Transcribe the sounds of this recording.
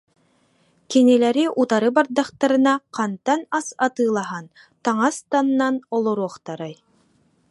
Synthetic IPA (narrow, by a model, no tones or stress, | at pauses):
kinilæɾiʔut̪aɾɯbaɾd̪ɑχt̪aɾɯ̆nɑqɑnt̪ɑnasɑt̪ɯːlˠɑɦɑn | t̪ɑŋɑst̪anːɑnɔlˠɔɾuɔχt̪aɾɑj